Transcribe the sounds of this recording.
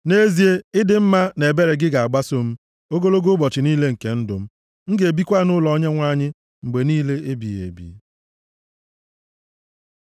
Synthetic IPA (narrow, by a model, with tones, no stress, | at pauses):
ne˦zi˦e˦ɪ˦dɪ˨m̩˦ma˦ne˨be˦ɾe˨ɡɪ˦ɡa˨a˨ɡ͡ba˦so˦m̩˦ | o˦ɡo˦lo˦ɡo˦bɔ˨t͡ʃɪ˨ni˦le˦ŋ̩˨ke˨n̩˦dʊ˨m̩˦ | ŋ̩˦ɡe˨bi˦kʷa˦nʊ˦lɔ˨˦ɲe˦ŋʷa˦ɲɪ˦ | ŋ͡m̩˨ɡ͡be˨niː˦le˦ʔe˦bḭ˨ḛ˨bḭ˨˦